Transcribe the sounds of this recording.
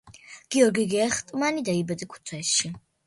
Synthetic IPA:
ɡ̥iɔɾɡiɡɛɛχt̪ʼmanid̪aibɛd̪ikʰu̥t̪sʰwɛsʃi

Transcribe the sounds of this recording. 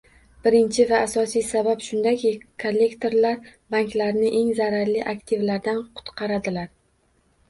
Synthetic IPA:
b̥ɪɾɪnt͡ʃʰɪvaːsɒsijsabapʃʊnd̪akʲikʰolːe̞kt̪ʰo̞ɾlaɾbaŋkʲlaɾnɪʔe̞ŋzaɾaɾlɪʔakt̪ʰɪvlaɾd̪anqʰʊ̥t̪qʰɑɾad̪ɪlaɾ

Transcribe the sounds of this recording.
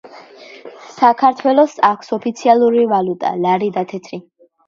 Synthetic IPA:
sakʰaɾt̪ʰwɛlˠɔsakʷʰsɔpʰit̪sʰialˠuɾivalut̪ʼa̰laɾid̪at̪ʰɛt̪ʰɾi

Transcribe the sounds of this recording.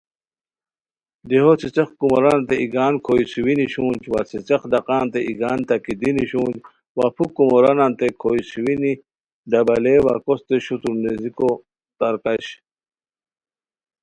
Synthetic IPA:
d̪iɦot͡sit͡sexkumoɾɐnant̪eiɡaːnkʰojsiwiniɕuːnd͡ʑwa̰t͡sit͡sɐxd̪ɐqaːnt̪eʔiɡaːnt̪akid̪iniɕuːnd͡ʑ | wapʰukːumoɾɐnant̪ekʰoisiwini | d̪ɐbɐleːwa̰kost̪eɕut̪uɾneziko | t̪ɐɾkaɕ

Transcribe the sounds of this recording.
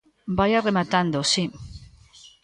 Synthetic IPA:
bajaremat̪and̪osi

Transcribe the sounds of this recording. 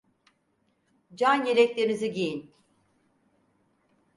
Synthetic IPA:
d͡ʒanjeɾɛclʲeɾiniziɟejin

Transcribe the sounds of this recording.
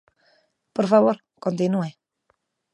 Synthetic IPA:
pɔɾfaβoɾ | kont̪inue

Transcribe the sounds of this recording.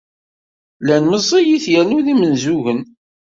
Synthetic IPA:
lænməzˤːijiθjænuðimənzuʝən

